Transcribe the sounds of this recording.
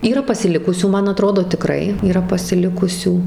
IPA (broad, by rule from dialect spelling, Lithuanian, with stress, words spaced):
iːˈrɐ pɐsʲɪˈlʲɪkʊsʲuː ˈmɐn ɐˈtroːdoː tʲɪˈkrɐɪ iːˈrɐ pɐsʲɪˈlʲɪkʊsʲuː